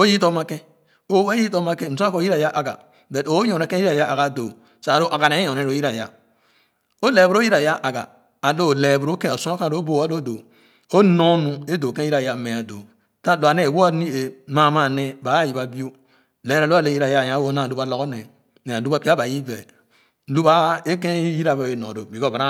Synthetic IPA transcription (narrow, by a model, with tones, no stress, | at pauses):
o˦ji˦to˦ma˦kẽ˦ | o˦wa˦ji˦to˦ma˦kẽ˦˨m̩˨so˦a˦ko˦ji˦ɾa˨ja˦ʔa˨ɡa̰˨ | be˨o˨˦jõ˨ne˦kẽ˦i˦ɾa˨ja˦ʔa˨ɡa˨do˨ | sa˨ɾo˦ʔa˨ɡa˨ne˨˦jõ˨e˦˨ɾo˨ji˦ɾa˨ja̰˦ | o˦le˨bu˦ɾo˦ji˦ɾa˨ja˦ʔa˨ɡa̰˨ | a˨lo˦˨le˨bu˨ɾo˦kẽ˦˨o˨su˦a˦kã˦˨ɾo˦bo˦˨a˦lo˦˨do˨ | o˦no˦nu˦e˦do˨kẽ˦i˦ɾa˨ja˦˨me˨a˨do̰˨ | ta˦lo˨a˨ne˦˨wo˦a˦ni˦e˨ma˨ma˦˨ne˦ba˨˦ji˨ba˨bi˦o˦ | le˨˦ɾa˨lo˦a˦lo˦ji˦ɾa˨ja˦˨jã˦wo˦na˦˨lu˦ba˨lo˦ɡo˦nɛ˨ | ne˨a˨lu˦ba˦pi˦a˦ba˨ji˦vɛ˨˦ | lu˦ba˦e˦kẽ˦ji˦ɾa˨ve˦˨e˨nõ̰˨do˨bi˨ko˦˨ba˨ɾa˦